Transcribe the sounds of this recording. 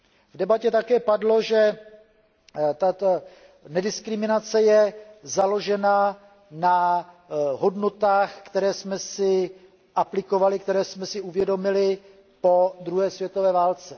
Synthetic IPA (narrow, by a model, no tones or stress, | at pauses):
vdɛbacɛt̪akɛːpadlo̞ʒɛ | t̪at̪ | nɛdɪskɾɪmɪnat͡sɛjɛzalo̞ʒɛna | na | ɦo̞dnot̪aːxkt̪ɛɾɛːsmɛsɪ | ʔaplɪko̞valɪkt̪ɛɾɛːsmɛsɪʔuvjɛdo̞mɪlɪ | po̞d̪ɾuɦɛːsvjɛt̪ovɛːvaːlt͡sɛ